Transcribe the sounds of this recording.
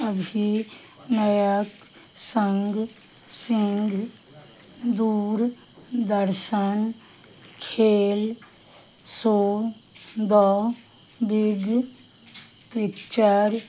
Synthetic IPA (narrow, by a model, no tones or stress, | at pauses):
əbʱi | nəjək | səŋɡ | sɪŋɡ | d̪uːɾ | d̪əɾʃən | kʰeːl | soː | d̪ɔ | bɪɡ | pɾɪkt͡ʃaɾ